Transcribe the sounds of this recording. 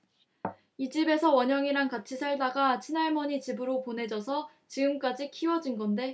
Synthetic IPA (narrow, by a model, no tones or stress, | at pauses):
id͡ʑibe̞sʰʌwʌɲʌŋiɾaŋkat͡ɕʰisʰaɭdaɡat͡ɕʰinaɭmʌɲit͡ɕibɯɾopone̞d͡ʑʌsʰʌ | t͡ɕiɡɯmk͈ad͡ʑikʰiwʌd͡ʑinɡʌnde̞